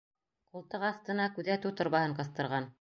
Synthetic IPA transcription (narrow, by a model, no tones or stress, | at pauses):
qulˠt̪ɤqɑθt̪ɤ̆nɑkʉðæt̪ʉt̪ŏɾmɑhɤɴqɤ̆θt̪ɤ̆ɾʁɑn